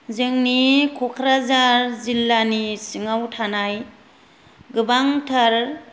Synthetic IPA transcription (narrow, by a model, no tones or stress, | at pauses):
zɯŋnikʰɔkʰɾazaɾzilːanisɯŋawtʰanaj | ɡɯbaŋtʰaɾ